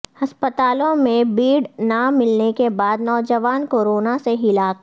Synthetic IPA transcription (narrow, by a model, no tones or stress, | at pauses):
ɐspət̪aːlõmẽbiːɽnamɪlnekebaːd̪nɔːd͡ʒəʋaːnkoːɾoːnaseɦɪlaːk